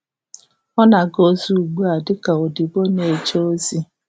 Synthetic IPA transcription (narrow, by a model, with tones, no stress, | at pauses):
ɔ˦na˨ɡo˦zu˨u˨ɡ͡bu˦a˨dɪ˦ka˨o˨di˨ɡ͡bo˦ne˨t͡ʃo˦o˦zi˦